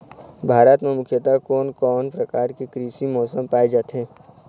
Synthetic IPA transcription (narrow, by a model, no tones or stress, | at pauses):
bʱaːɾət̪mẽmʊkʰjət̪akɔːnkɔːnpɾəkaːɾkekɾiːʃimɔːsəmpaːed͡ʒaːt̪ɦɛ̃ː